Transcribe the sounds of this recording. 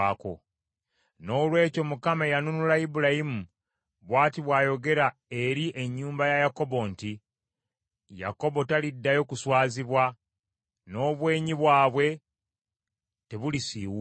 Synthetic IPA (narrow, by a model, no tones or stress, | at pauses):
ako̰ | no̞ːlwe̞ːco̞mukamaejanunulaibuɾajimu | βwaːtiβwaːjo̞ɡe̞ɾae̞ɾiʔe̞ɲːuːmbajajako̞bo̞nti | ja̰ko̞bo̞talidːajo̞kuswaːziβwa | no̞ːβwe̞ːɲiβwaːβwe̞ | te̞βulisiːwu